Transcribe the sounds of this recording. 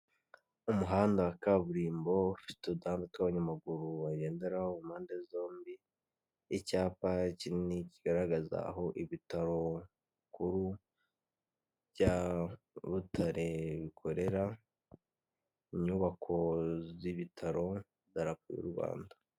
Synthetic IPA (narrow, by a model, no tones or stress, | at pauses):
umuɦaːndawakaβuɾiːmbo̞ufi̥teudaːmbitwaβaɲamaɡuɾuβaɟe̞ːnde̞ɾahoumhaːndezo̞ːmbiː | caːpacininiciɡ̥aɾaɡaza̰ɦo̞ʔiβitaɾo̞ | kuɾu | βɟa | βutʰaɾe̞βikʰo̞ɾe̞ɾa | iɲuːβakʰo̞ziβitʰaɾo̞ | daɾapujṵɾuβa̰ːnda